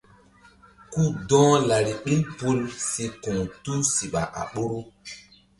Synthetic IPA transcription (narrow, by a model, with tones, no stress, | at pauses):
ku˦dɔ̃ː˦la˨ɾi˨ɓi˦npu˦lsi˦kũ˨ŋtu˦si˨ɓa̰˨ʔa̰˨ɓo˦ɾu˦